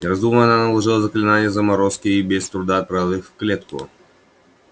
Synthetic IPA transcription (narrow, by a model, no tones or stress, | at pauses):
ɾɐzd̪uməɐnanɐlˠɐʐɨlˠɐzɐklʲɪnanʲɪjəzɐmɐɾoskʲɪːbʲɛst̪ɾʊd̪ap̪ɾavɨxfklʲet̪kʊ̰